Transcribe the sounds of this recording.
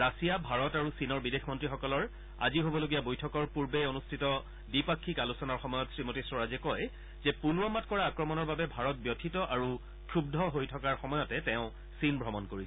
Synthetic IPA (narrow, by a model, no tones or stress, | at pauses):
ɹasijabʱaɹɔtaɹusinɔɹbidexʰmɔntɹixɔkɔlɔɹ | a̰ziɦobɔloɡijabojtʰɔkɔɹpuɹbeonustʰitɔ | dipakʰːikalusɔnaɹxɔmɔjɔtsɹimotisɔɹazɛkɔj | zɛpulwɔmatkɔɹaːkɹɔmɔnɔɹbabɛbʱaɹɔt̚bjɔtʰitɔʔaɹu | kʰubdʱɔɦojtʰɔkaɹxɔmɔjɔtɛtɛ̃ʊ̃ | sinbʱɹɔmɔnkoɹiɛ